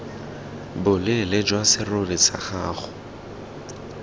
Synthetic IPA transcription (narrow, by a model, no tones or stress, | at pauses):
bʊlɪlɪd͡ʒwasɪrolɪsa̰χaːχʊ̥